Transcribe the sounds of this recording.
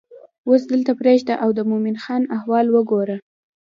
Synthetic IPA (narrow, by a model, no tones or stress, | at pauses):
wos̬d̪əlt̪apɾeʒd̪aʔawd̪əmominxɑnahwɑlwəɡoɾə